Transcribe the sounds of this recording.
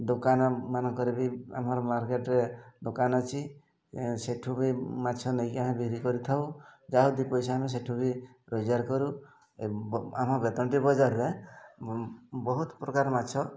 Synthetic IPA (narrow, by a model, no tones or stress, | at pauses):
d̪okanɔmanɔŋkɔɾebia̰mɔɾɔmaɾkeʈɾed̪okanɔt͡ʃʰi | seʈʰubimatːt͡ʃʰɔnejkamĩbikɾikɔɾit̪ʰawd͡ʒaɦud̪ipɔjsɔames̬eʈʰubi | ɾɔd͡ʒaɾkɔɾu | amabet̪ɔɳʈibɔd͡ʒaɾːe | bɔɦut̪pɾɔkaɾmatːt͡ʃʰɔ